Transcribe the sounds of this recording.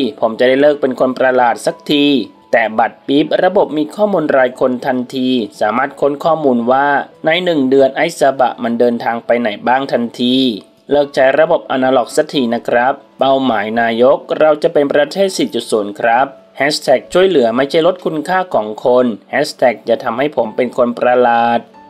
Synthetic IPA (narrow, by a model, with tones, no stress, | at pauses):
pʰo˩˦mt͡ɕa˨˩da˥˩jlɤː˥˩k̚pe˧nkʰo˧npɾa˧laː˨˩t̪̚sa˨˩k̚t̪ʰiː˧ | t̪ɛː˨˩ba˨˩t̪̚piː˦˥p̚ɾa˧bo˨˩p̚miː˧kʰɔː˥˩muː˧nɾaː˧jkʰo˧nt̪ʰa˧nt̪ʰiː˧saː˩˦maː˥˩t̪̚kʰo˦˥nkʰɔː˥˩muː˧nwaː˥˩na˧jnɯ˨˩ŋdɯ˧ənʔa˧˥jsa˧ba̰˨˩ʔma˧ndɤː˧nt̪ʰaː˧ŋpa˧jna˨˩jbaː˥˩ŋt̪ʰa˧nt̪ʰiː˧ | lɤː˧˩k̚t͡ɕa˧˩jɾa˧bo˨˩p̚ʔa˧naː˧lɔ˨˩k̚sa˧˦t̪ʰiː˨˩na˦˥kʰɾa˦˥p̚ːa˧˩wmaː˩˦jnaː˧jo˦˥k̚ɾa˧wt͡ɕa˨˩ʔpe˧npɾa˧t̪ʰeː˥˩t̪̚si˨˩t͡ɕu˨˩su˨˩˦nkʰɾa˦˥p̚ | hɛ˦˥st̪ʰɛ˨˩k̚t͡ɕʰu˥˩əjlɯ˩˦ɐma˥˩jt͡ɕʰa˥˩jlo˦˥t̪̚kʰu˧nkʰaː˥˩kʰɔː˩˦ŋkʰo˧nhɛː˦˥st̪ʰɛ˨˩k̚t͡ɕa˨˩t̪ʰa˧mha˥˩jpʰo˩˦mpe˧nkʰo˧npɾa˧laː˨˩t̪̚